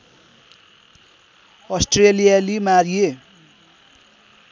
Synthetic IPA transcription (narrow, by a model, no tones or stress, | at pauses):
ʌsʈrelijalimaɾie